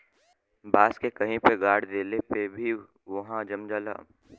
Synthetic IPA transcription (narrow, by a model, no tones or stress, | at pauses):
baːskekɐɦĩpeɡaːɽd̪eːlepebʱi | ʋɐɦãd͡ʒɐmd͡ʒaːla̰ː